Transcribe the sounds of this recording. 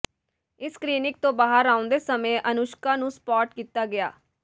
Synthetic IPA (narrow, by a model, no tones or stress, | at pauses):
ɪskɾiːnɪk̚t̪õːbaːɦəɾaːʊ̃nd̪eːsəmẽːʔənʊʃkãːnũːspɔːʈkiːt̪aːɡɪja̰ː